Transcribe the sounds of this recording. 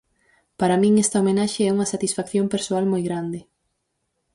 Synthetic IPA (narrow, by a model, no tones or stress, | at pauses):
paɾɐmĩŋɛst̪ɐomenaʃeɛuŋɐsat̪isfakθjompeɾsoalmojɣɾand̪ɪ